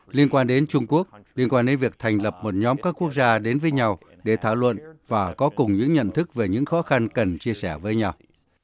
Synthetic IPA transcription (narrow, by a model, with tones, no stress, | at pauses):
li˧ənkwaː˧nɗe˨˦nt͡ɕʊ˧ŋ͡mku˦˥ək̚li˧ənkwaː˧nɗe˨˦nvi˨˩ək̚t̪ʰa˨˩jŋ̟lə˨˩p̚mo˨˩t̚ɲɔ˨˦mkaː˦˥kːu˦˥ək̚zaː˧ɗe˨˦nvəː˨˦jɲa˧w | ɗe˧˩t̪ʰaː˧˩wlwə̰˧˨nvaː˨˩kɔ˨˦kʊ˨˩ŋ͡mɲɨ̰˧˥ŋɲə̰˧˨nt̪ʰɨ˦˥k̚ve˨˩ɲɨ̰˧˥ŋxɔ˨˦xa˧nkə˨˩nt͡ɕi˧əsɛ˧˩vəː˨˦jɲa˧w